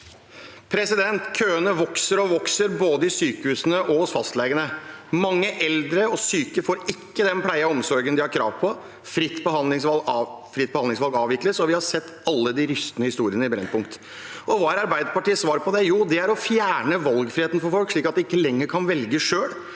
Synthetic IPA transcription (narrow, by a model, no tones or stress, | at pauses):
pʰɾɛsɪd̪ɛnt̪kʰøːənəʋɔksəɾɔʋɔksəɾboːd̪əɪsyːkəhʉːsənəʔɔhɔsfɑst̪leːɡənəmɑŋːəʔɛld̪ɾəɔsyːkəfoːɾɪkːəd̪ɛnpʰlæɪɑɔmsɔɾɡənd̪ɪhɑɾkʰɾɑ̰ːʋpʰɔ | fɾɪt̪ːbəɦɑɪŋsɑfɾɪt̪̚ːbəhɑnd̪ɪŋsʋɑlɡɑːʋɪkləsɔʋɪhɑɾsɛt̪ːɑlːəd̪ɪɾʏst̪ənəhɪst̪uːɾɪənəɪbɾɛ̰npʰʊŋkt̪ | ɔʋɑːæɾɑɾbæɪd̪əpɑʈiːəsʋɑːɾpʰɔd̪ɛjuːd̪ɛæɾɔfjæːɳəʋɑlɡfɾɪheːt̪nfɔɾfɔlkʂɭiːkɑt̪̚d̪ɛɪkːəlɛŋːəɾkʰɑnʋɛlɡəʂøːɽ